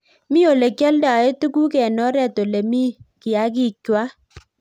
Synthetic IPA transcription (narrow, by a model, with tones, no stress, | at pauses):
mi˦o˨le˨kjɔ˦lda˨e˦tu˦ku˦kɛ˨nɔ˦ɾɛ˦˨to˨le˨mi˦kɪ˨a˨˦k̬ɪ˦˨kwa˦